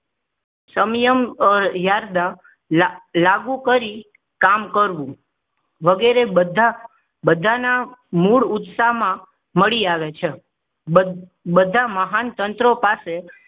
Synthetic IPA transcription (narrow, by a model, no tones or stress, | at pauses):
səmjəmjaɾd̪a | laɡũkəɾi | kamkəɾʋũ | ʋəɡeɾebəd̪ʱa | bəd̪ʱanamuɭʊt̪saɦmã | məɭiaʋet͡ʃʰe | əbəd̪ʱaməɦant̪ənt̪ɾopase